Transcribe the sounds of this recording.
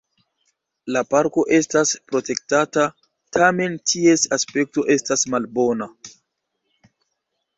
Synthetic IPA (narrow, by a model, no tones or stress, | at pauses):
lapaɾko̞ʔe̞staspɾo̞te̞k̚tata | tʰame̞ntʰie̞saspe̞k̚to̞ʔe̞stasmalbo̞na